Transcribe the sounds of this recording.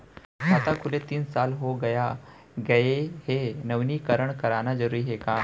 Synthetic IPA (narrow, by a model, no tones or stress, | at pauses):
at̪akʰʊlet̪iːnsalɦoɡəja | ɡəeɦenəʋniːkəɾəɳkəɾanad͡zəɾuɾiɦeka